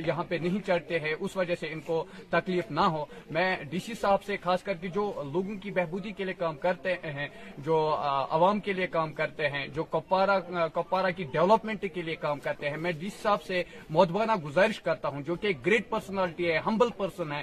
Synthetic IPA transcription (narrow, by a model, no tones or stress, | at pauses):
jɐɦãpenɐɦĩt͡ʃɐɽt̪eɦɛ̃ʔʊsʋɐd͡ʒɐseɪnkot̪ɐkliːfnaɦoːmɛ̃ːɖiːsisaːbsexaːskɐɾk̬ed͡ʒoːloːɡõkibɛɦbuːd̪ikeliekaːmkɐɾt̪eɦɛ̃d͡ʒoːɐ̰ʋaːmkeliekaːmkɐɾt̪eɦɛ̃d͡ʒoːkɐpːaːɾakɐpːaːɾakiɖɛʋləpmɛ̃ɳʈkeliekaːmkɐɾt̪eɦɛ̃mɛ̃ːɖiːsi̥saːbsemɔːd̪baːnaɡʊzaːɾɪʃkɐɾt̪aɦũd͡ʒoːkeːk̚ɡɾeːʈ̚pəɾsənɛːlɪʈiɦɛːɦɐ̃mbəlpɐɾsənɦɛː